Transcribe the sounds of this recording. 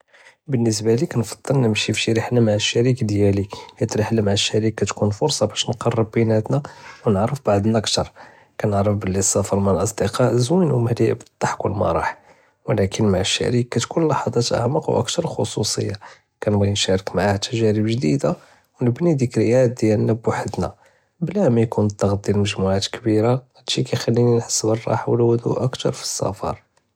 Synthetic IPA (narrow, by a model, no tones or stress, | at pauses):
bənːəs̬bælikænfɑ̥d̪ˤːəlnəmʃifʃiɾiħnæmaʕəʃːæɾikd̪jælikæt̪ɾəħlæmaʕəʃːæɾikːæt̪kunfʊɾsˤɑbæʃnqɑrˤːəb̚ːinæt̪næwnəʕɾəfbaʕd̪næʔəkt̪ɑɾˤ | kænəʕɾəfbəlːisˤːɑfəɾˤmənlʔɑsˤd̪əqɑʔzwinwmæliʔəbət̪ˤːɑħkʊlːmæ̰ɾˤɑ̰ħ | wlækənmæʕʃːæ̰ɾikːæt̪kunlɑħɑd̪ˤɑt̪ʔə̰ʕməqwʔə̰kt̪ɑɾˤxosusə̰jːa | kænbæjnʃæɾəkmaʕahæt̪æʒæɾəbʒd̪id̪a | wnəbnid̪ikljæd̪jælnːæbʊħəd̪na̰ | blæmæjkunt̪ːɑɣd̪ilməʒmuʕat̪kbiɾahæd̪ʃikæjxælːininħə̥sːbərˤːɑ̰ħwlwʊd̪ṵʔəkt̪ɑ̰ɾˤfi̥sˤːɑ̰fɑ̰ɾˤ